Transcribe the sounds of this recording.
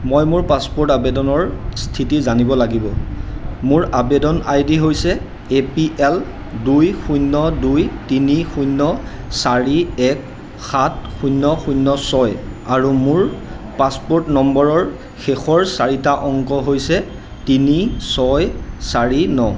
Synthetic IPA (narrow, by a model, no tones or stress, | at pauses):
mɔjmʊɹpaspɔɹtabedɔnɔɹstʰitizanibɔlaɡibɔ | mʊɹabedɔnajdiɦojsɛ | epiʔɛl | dujxujnːɔdujtinixujnːɔ | saɹiɛk | xat̚ʰxunːɔxujnːɔsɔjaɹumʊɹ | paspɔɹtnɔmbɔɹɔɹ | xexɔɹsaɹitaʔɔŋkɔɦojsɛ | tinisɔjsaɹinɔ